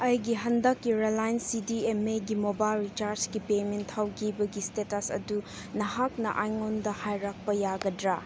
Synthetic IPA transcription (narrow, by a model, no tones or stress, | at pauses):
ɐjɡiɦɐndɐkːiɾelajnsidiemeɡimobajlɾit͡ʃaɾd͡ʒɡipementʰhawɡibɐɡistetɐsɐ̰du | nɐɦak̚nɐ̰ʔajŋondɐhajɾak̚pɐjaɡɐdɾa